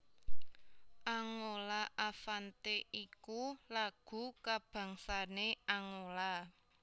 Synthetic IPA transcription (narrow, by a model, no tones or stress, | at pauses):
ʔaŋolaʔafant̪eʔikulaɡ̥ṳkab̥ä̤ŋsaneaŋola